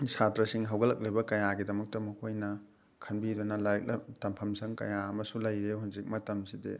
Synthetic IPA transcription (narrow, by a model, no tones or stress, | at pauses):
sʰatɾɐsiŋɦɐwɡɐlɐk̚lɐjbɐkɐjaɡidɐmɐk̚tɐmukʰojnɐ | kʰɐnbidɐnɐlajk̚lɐtɐmpʰɐmsɐŋkɐ̰jaɐmɐsulɐjɾeɦunzik̚mɐtɐmsidḛ